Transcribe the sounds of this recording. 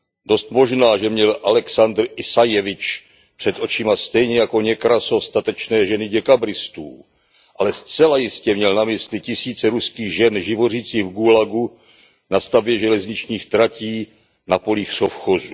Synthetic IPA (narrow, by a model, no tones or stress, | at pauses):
do̞st̪mo̞ʒnaːʒɛmɲɛlʔalɛksand̪rɪsajɛvɪt͡ʃ | pr̥ɛt̪ʔo̞t͡ʃɪmast̪ɛjɲɛjako̞ɲɛkɾaso̞fst̪at̪ɛt͡ʃnɛːʒɛnɪɟɛkabɾɪst̪uː | ʔalɛst͡sɛlajɪscɛmɲɛlnamɪslɪcɪsiːt͡sɛɾuskiːɣʒɛnʒɪvo̞riːt͡siːɣvɡulaɡu | nast̪abjɛʒɛlɛzɲɪt͡ʃɲiːxt̪ɾaciː | napo̞liːxsofxozu